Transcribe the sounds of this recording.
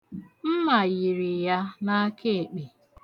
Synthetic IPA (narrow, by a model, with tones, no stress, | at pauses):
m̩˦ma˨ji˨ɾi˨ja˦na˦kʰe˦e˨k͡pe˨